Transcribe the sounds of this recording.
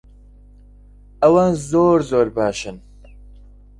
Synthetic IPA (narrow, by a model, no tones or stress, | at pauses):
ɐwanzoːɾzoːɾbaːʃɨn